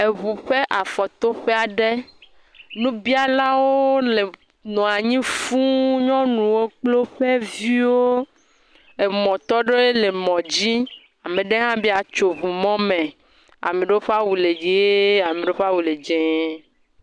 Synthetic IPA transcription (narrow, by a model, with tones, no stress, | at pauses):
e˨βu˨ɸe˦ʔa˨fɔ˨t̪o˦ɸe˦a˨ɖe˦ | nũ˦bi˦a˨la˦wo˦le˨ | nɔ̃˨a˨ɲĩ˦fu˦ɲɔ̃˦nũ˨wo˦k͡plo˦ɸe˦vi˦wo˦ | e˨mɔ̃˨t̪ɔ˦ɖo˦je˦le˨mɔ̃˨d͡ʑi˦ | a˨mẽ˨ɖe˦ɦã˦bi˦a˨t͡ʃo˨βu˨mɔ̃˦mẽ˨ | a̰˨me˨ɖe˦wo˦ɸe˦a˦wu˨le˨d͡ʒe˨˦a˨mẽ˨ɖe˦ɸa˦wu˨le˨d͡ʒe˨˦